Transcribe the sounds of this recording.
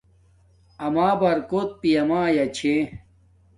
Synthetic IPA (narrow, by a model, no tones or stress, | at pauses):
ɐmaːbɐɾkot̪̚pijɐmãːjɐt͡ɕʰe